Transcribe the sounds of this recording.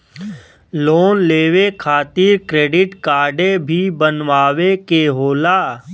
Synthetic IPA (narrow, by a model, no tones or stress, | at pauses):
loːnleːʋekʰaːt̪iɾkɾeːɖɪʈkaːɾɖebʱibənʋaːʋekeɦoːlaː